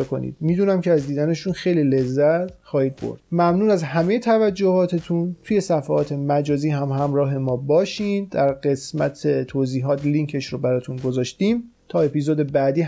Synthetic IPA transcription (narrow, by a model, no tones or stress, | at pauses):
kʰo̞̰nḭːd̪̥̚miːd̪uːnæmcʰeæzd̪iːd̪æne̞ʃunxejliːle̞zːæt̪ʰxɒːhiːd̪̚bo̰ɾd̥̪mæmnuːnæzhæmeje̞t̪ʰævæd͡ʒːohɒːt̪ʰet̪ʰunt̪ʰuje̞sæfæɒːt̪ʰe̞mæd͡ʒɒːziːɦæmɦæmɾɒːɦe̞mɒːbɒːʃind̪æɾɢe̞smæ̰t̪ʰet̪ʰoziːɦɒːt̪liŋcʰe̞ʃɾobæɾɒːt̪ʰunɡozɒːʃt̪iːm | t̪ʰɒːe̞piːzod̪e̞bæd̪iː